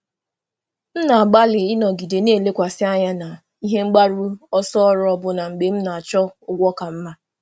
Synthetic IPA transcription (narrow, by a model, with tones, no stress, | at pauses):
m̩˦na˨ɡ͡ba˦lɪ˨ɪ˦nɔ˨ɡi˨de˨ne˦˨le˦kʷa˨sɪ˦a˦ɲa˦na˨ | i˦ɦe˦ŋ͡m̩˦ɡ͡ba˦ɾu˦ɔ˦sɔ˦ɔ˦ɾɔ˦ɔ˦bʊ˦na˨ŋ͡m̩˨ɡ͡be˨m̩˦na˨a˨t͡ʃɔ˦ʊ˦ɡʷɔ˦ka˨m̩˦ma˦